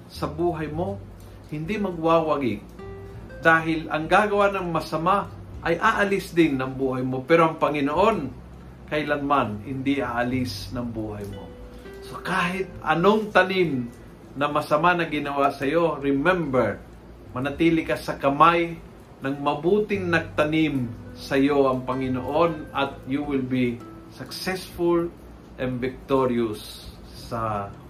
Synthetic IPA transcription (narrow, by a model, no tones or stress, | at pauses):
sɐbuːɦɐjmo̞ | hɪnd̪imɐɡ̚waːwaɡɪ | d̪aːɦɪlɐ̰ŋɡaːɡɐwanɐŋmɐsɐma | ʔɐjʔaʔɐlɪsd̪ɪnːɐŋbuːɦɐjmopɛːɾoʔɐŋpɐŋɪnoʔon | kɐɪlanmanhɪnd̪ɪʔaːʔɐlɪsnɐŋbuːɦajmo̰ | so̞kaːɦɪt̪̚ɐ̰noŋt̪ɐnɪm | nɐmɐsɐmanɐɡɪnɐwasɐjo̞ɾɪmɛ̃mbɛɹ | mɐnɐt̪iːlɪkɐsɐkɐmaj | nɐŋmɐbuːt̪ɪŋnɐɡ̚t̪ɐnimsɐjo̞ɐŋpɐŋɪnoʔonɐt̪̚juwɪlbi | sɐksɛsfʊl | ʔɛnvɪk̚t̪oɹiʊsː | ɐ